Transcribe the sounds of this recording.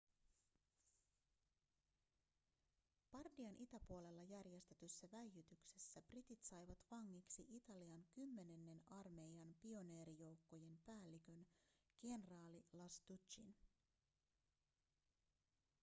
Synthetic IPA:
b̥ɑrdiɑnʔit̪æpuo̞le̞lːɑjærje̞st̪e̞t̪ysːæʋæjjyt̪ykse̞sːæb̥rit̪it̪sɑjʋɑt̪ʋɑŋːiksiʔit̪ɑliɑŋkymːe̞ne̞nːe̞nɑrme̞ijɑnpio̞ne̞ːɾijo̞wkːo̞je̞mpæːlːik̟ø̞nɡ̥e̞nrɑːlilɑst̪ut͡ʃin

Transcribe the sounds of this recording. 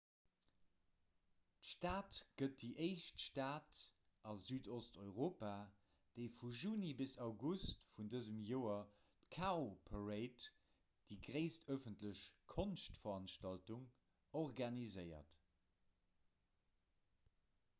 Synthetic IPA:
tʃtaːtɡ̥ət̚diʔeɪʃtʃtaːt | ʔɑzyːdostʰɔʏʁoːpa | d̥eɪfuʒuːnibisɑʊɡustfundəzəmjoːɐ | tkʰaopʰəʁeɪt | d̥iːɡʁeɪstʰœfəntləɕkʰonʃtfɐʁɑnʃtɑltuŋ | ɔʁɡɑnizɜɪɐ̰t

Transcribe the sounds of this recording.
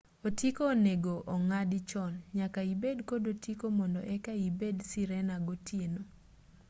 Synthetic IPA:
otikoːneɡoʔɔŋadɪt͡ʃɔnɲakaibedkodotikomɔndɔʔɛkaibedsiɾɛnaɡotʰjeno

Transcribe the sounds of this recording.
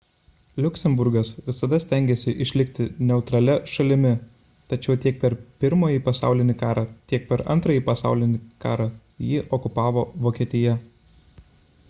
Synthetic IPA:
lʲʊkʲsʲɛmbʊɾɡɐsʋʲɪsɐd̪ɐsʲt̪ʲæˑŋʲɡʲesʲɪʔɪʃʲlʲɪkt̪ʲɪnʲɛʊt̪ɾɐlʲɛʃɐlʲɪmʲɪ | t̪ɐt͡ʃʲɛʊt̪ʲiɛk̚pʲɛɾpʲɪɾmoːjiːpɐsɑ̰ˑʊlʲɪnʲɪkɑːɾɑːt̪ʲiɛk̚pʲɛɾɐ̰nˑt̪ɾɐjiːpɐsɑ̰ˑʊlʲɪnʲɪkɑːɾɑ | jɪːʔɔkʊpɑːʋoːʋoːkʲiɛt̪ʲɪjɛ

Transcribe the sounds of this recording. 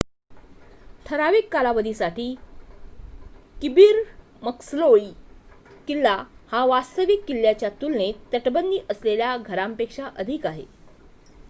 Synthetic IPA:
ʈʰəɾaʋikːalaʋəd̪ʱiːsaʈiː | kibiːɾ | məksloi | kilːahaʋast̪əʋikːilːjat͡ɕjat̪ulnet̪ːəʈbənd̪iːʔəsleljaɡʱəɾampekʂaʔəd̪ʱikaɦḛ

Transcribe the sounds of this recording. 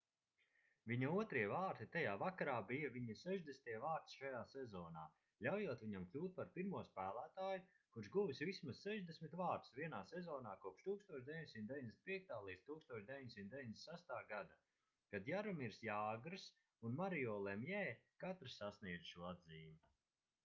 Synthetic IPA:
viɲauɔt̪ɾiɛvaːɾt̪it̪ajaːvakaɾaːbijaviɲisɛʒd̪esnt̪iɛvaːɾt̪sʃajaːsezɔːnaː | ʎʲawjuɔt̪vʲiɲamklʲuːt̪̚paɾpiɾmuɔspæːlˠæːt̪aːju | kuɾʃɡuvisvismasːɛʒd̪esʲmit̪vaːɾt̪sviɛnaːsezɔːnaːkuɔpʃt̪uːkst̪uɔt͡ʃd̪evʲiɲʲsʲimt̪d̪evɲd̪esnpiɛk̚t̪aːlˠiːd̪̥t̪uːkst̪uɔt͡ʃʃd̪ʲeviɲd̪ʲesʲimt̪d̪eviɲd̪esæst̪aːɡad̪a | kad̪jaɾɔmiɾsjaːɡɾɨs | unmaɾiɔːlˠɛmjɛːkat̪ɾɨsasniɛd̪ʃuɔad̪ziːmu

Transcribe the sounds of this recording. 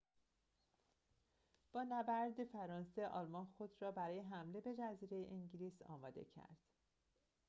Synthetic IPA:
b̥ɒːnæbæɾd̪efæɾɒːnse̞ʔɒːlmɒnxo̞d̪ɾɒːbæɾɒːjeɦæmle̞be̞d͡ʒæziːɾe̞jḛʔiɲɟiliːsɒ̰ːmɒːd̪e̞̰cʰæ̰ɾd̪̥

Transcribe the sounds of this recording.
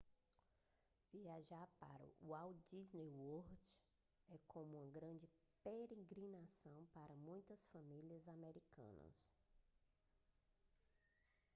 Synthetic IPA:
viaʒaɾpa̰ɾʊ̰awd͡ʒiznejwoɾd͡ʒ | ɛkʰõmũɐɡɾɐ̃d͡ʒɪ | peɾeɡɾinasɐ̃w̃paɾɐmũj̃t̪ɐsfɐmiliɐzameɾikɐ̰̃nɐ̰s

